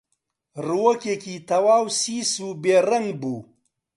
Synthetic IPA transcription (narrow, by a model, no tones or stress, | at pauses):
ruwokekit̪ɐwaːwsiːsubeːɾɐŋɡ̚buː